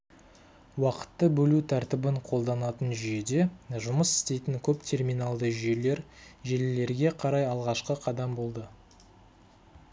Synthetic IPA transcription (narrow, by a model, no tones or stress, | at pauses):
wɑqə̥t̪ːəbɵlut̪ʰæɾt̪ɪbɪɴqʰo̞lˠd̪ɑnɑt̪ənʒʏje̞d̪e̞ʒʊməsɪ̥st̪e̞jt̪ɪŋkʲʰɵpt̪ʲʰe̞rmijnɑlˠd̪əʒʏje̞le̞ɾʒelɪle̞ɾɡʲe̞qʰɑɾɑjɑlˠʁɑʃqəqʰɑd̪ɑmbo̞lˠd̪ə